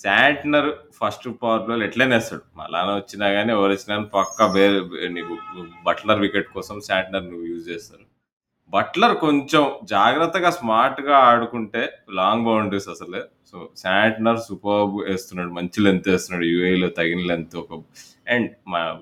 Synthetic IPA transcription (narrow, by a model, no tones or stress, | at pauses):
saːɳʈnɐɾpʰɐsʈpaːɾloːleʈleːnɛːst̪a̰ːɽumɐ̰laːneʋɐt͡ʃːinaːɡaːniɔʋɐɾɐt͡ʃːinaːnipɐkːɐʋeːniubɐʈlɐɾʋikeʈ̚kɔːsɐmsaːɳʈnɐɾnuʋːjuːd͡ʒd͡ʒɛːsaːɾu | bɐʈlɐɾkoɲt͡ʃemd͡ʒaːɡɾɐt̪ːɐɡaːsmaːɾʈɡaːɐɽukuɳʈe̞ːlaːŋɡbɐwɳɖɾisɐsɐleː | soːsaːɳʈnɐɾsupɐbeːst̪unːaːɽumɐɲt͡ʃilent̪eːst̪unːaːɽujuːɐjloːt̪ɐɡinɐlent̪uɔkɐ | eɳɖma